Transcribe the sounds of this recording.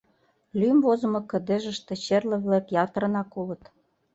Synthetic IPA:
lymvozə̆mɤ̆kə̆d̪ĕʒə̆ʃt̪ĕt͡ɕerlə̆βlekjɑt̪ə̆ɾ̆nɑkulə̆t̪

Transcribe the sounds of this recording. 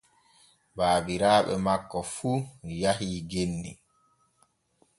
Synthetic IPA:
baːbiɾaːɓɛ̰makːɔfuːjahiːɡenːḭ

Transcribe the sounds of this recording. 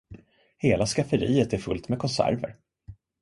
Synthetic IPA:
heːlaskafəɾiːət̪æɾfɵ̰lt̪mɛkʰɔnsæ̰ɾvə̰ɾ

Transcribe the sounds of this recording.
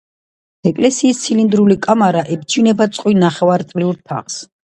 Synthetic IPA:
ɛkʼlɛsiːst̪sʰilind̪ɾulikʼamaɾaʔɛbt͡ʃʰinɛbat̪sʼqʼwinaχɛvaɾt̪ʼliuɾp̪ʰa̰χs

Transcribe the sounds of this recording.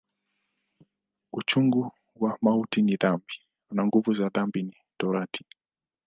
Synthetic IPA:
ut͡ʃuŋɡu | wamautiniðambi | naŋɡuvuzaðambini | tɔɾatʰi̥

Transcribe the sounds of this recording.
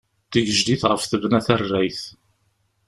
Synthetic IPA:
θəʝəʒd̪iθʁəfθəvnæθærːæjθ

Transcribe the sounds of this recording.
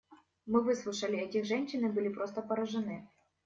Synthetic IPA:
mɨvɨslˠʊʂɐlʲɪɛtʲɪxʐɛnʲɕːɪnɨbɨlʲɪpɾost̪əpɐɾɐʐɨnɨ

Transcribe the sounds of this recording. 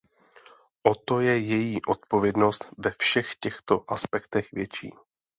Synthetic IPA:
ʔo̞t̪o̞jɛjɛjiːʔo̞t̪̚po̞vjɛdno̞st̪vɛfʃɛxcɛxt̪o̞ʔaspɛkt̪ɛxvjɛt͡ʃḭː

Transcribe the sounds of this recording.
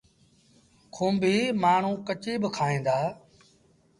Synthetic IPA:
kʰũːmbʱiːmaːɳ̤ũːkət͡ʃiːbəkʰaːẽːnd̪aː

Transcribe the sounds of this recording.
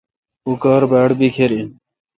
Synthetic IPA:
ukəɾbɛːɽbikʰeɾi

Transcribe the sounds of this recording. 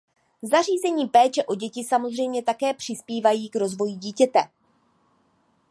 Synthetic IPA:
zariːzɛɲiːpɛːt͡ʃɛʔo̞ɟɛcɪsamo̞zr̝ɛjmɲɛt̪akɛːpr̥ɪspiːvajiːkɾo̞zvo̞jiɟiːcɛt̪ɛ

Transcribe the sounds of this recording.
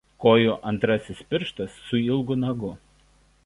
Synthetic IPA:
koːjoːʔɐnt̪ɾɐsʲɪspʲɪɾʃt̪ɐsːʊɪlˠɡʊnɐɡʊ

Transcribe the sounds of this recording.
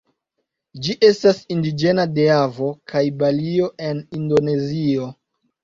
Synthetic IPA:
d͡ʒiʔe̞stasindid͡ʒe̞nadeavo̞kʰajbalio̞ʔe̞nindo̞ne̞zio̞

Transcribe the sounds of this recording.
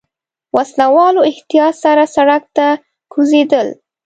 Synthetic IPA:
waslawɑloɪht̪ijɑt̪saɾasaɽak̚t̪a | kʰuzed̪əl

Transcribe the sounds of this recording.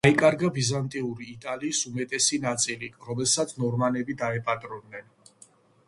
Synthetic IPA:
ikʼaɾɡabizant̪ʼiuɾiːt̪ʼaliːsumɛt̪ʼɛsinat̪sʼiliɾɔmɛlˠsat̪sʰnɔɾmanɛbid̪aɛpʼat̪ʼɾɔd̪nɛn

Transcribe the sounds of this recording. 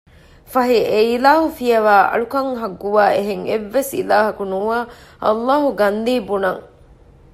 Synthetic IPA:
fɐɦieilaːɦufijɐʋaːʔɐ̰ɭukɐŋɦɐɡːuʋaːeɦeŋeʋːesḭlaːɦɐkunuːaːʔɐ̰lːaːɦuɡɐnd̪iːbunɐŋ

